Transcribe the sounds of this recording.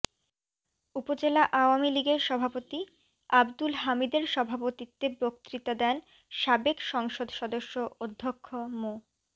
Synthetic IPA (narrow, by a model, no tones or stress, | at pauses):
upod͡ʑelaʔaoamiliɡeɾʃɔbʱapot̪i | abd̪ulɦamid̪eɾʃɔbʱapot̪it̪ːepɾok̚t̪ɾit̪ad̪ɛn | ʃabekʃɔŋʃod̪ʱʃɔd̪oʃːood̪ʱːokʰːomo